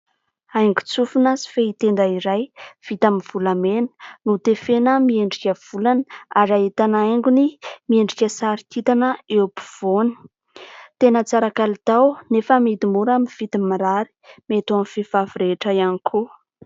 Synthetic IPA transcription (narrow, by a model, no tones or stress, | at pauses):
ajŋɡu̥t͡sufunasi̥feit̪end̪aiɾajv̥it̪aminv̥ulamenə̥nut̪efenəmieɳɖ͡ʐikʲəv̥ulanaɾaɦit̪anajŋɡunimieɳɖ͡ʐikʲəsaɾit̪it̪anəepi̥v̥oni̥ | t̪enət͡saɾakalit̪awnefəmid̪imuɾamiv̥it̪imiɾaɾi̥met̪amfevavuɾeʈ͡ʂəianikʰu